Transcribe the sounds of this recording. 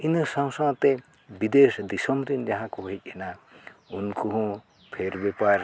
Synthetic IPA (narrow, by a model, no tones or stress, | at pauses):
inəsãwsaŋt̪ɛ | bid̪esd̪isɔmɾind͡ʒaɦãkɔɦɦɛc̚ˀɛnaunkuɦɔ̃ | pʰeɾbɛpaɾ